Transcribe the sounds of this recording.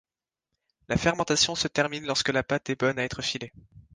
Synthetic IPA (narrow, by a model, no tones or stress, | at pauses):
lafɛʁmɑ̃t̪asjɔ̃sət̪ɛʁminlɔʁskəlapat̪ɛbɔnaɛt̪χəfile